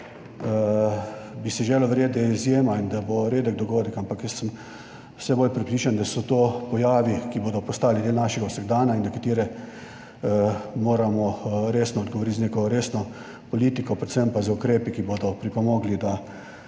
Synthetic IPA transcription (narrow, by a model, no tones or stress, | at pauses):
bisɛʒeːlɔʋɾjeːd̪ɛizjeːmaind̪aboɾeːd̪əɡ̚d̪ɔɡoːd̪əkampakjəst̪ːəm | sɛboːlʲpɾɛpɾiːt͡ʃand̪asɔt̪opɔjaːʋikiboːd̪ɔpɔst̪aːlid̪eːlnaːʃɛɡawsəɡd̪aːnaind̪ɐkat̪iːɾɛ | moːɾamɔɾeːsnɔːd̪ɡɔʋɔɾit̪zneːkɔɾeːsnɔ | pɔliːt̪ikɔpɾɛt̪səmpazəukɾeːpikibod̪ɔpɾipɔmoɡlid̪a